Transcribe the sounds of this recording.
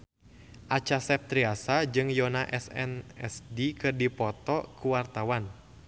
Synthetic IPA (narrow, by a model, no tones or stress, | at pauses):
ʔat͡ʃasɛp̚t̪ɾiasad͡ʒɨŋjɔnaʔɛsɛ̰nɛ̰sdikɨrdipɔt̪ɔkuwart̪awan